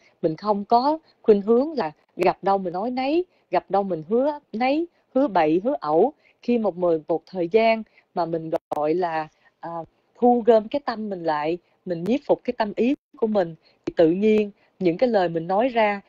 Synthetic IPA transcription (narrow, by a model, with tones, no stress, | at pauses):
mï˨˩ŋ̟xə˧wŋ͡mkɔ˨˦ | xwi˧ŋɦɨ˨˦əŋlaː˨˩ | ɣa˨˩p̚ɗə˧wmï˨˩nnɔ˨˦jnə˨˦j | ɣa˨˩p̚ɗə˧wmï˨˩ŋ̟ɦɨ˨˦ənə˨˦j | hɨ˨˦əɓə̰˧˨jɦɨ˨˦əʔə˧˩w | xi˧mo˨˩t̚m˨˩mo˨˩t̚t̪ʰəː˨˩jzaː˧n | maː˨˩mï˨˩ŋ̟ɣɔ˨˩j̚ɣɔ̰˧˨jlaː˨˩ | ʔəː˨˩ | t̪ʰu˧ɣəː˧mkaː˨˦jt̪ə˧mːï˨˩ŋ̟la̰ː˧˨j | mï˨˩ŋ̟ɲi˦˥p̚fʊ˨˩k͡p̚kaː˨˦jt̪ə˧mʔi˨˦ku˧˩əmï˨˩ŋ̟ | t̪ʰi˨˩t̪ɨ̰˧˨ɲi˧ən | ɲɨ̰˧˥ŋkaː˨˦jləː˨˩jmï˨˩ŋ̟nɔ˨˦jzaː˧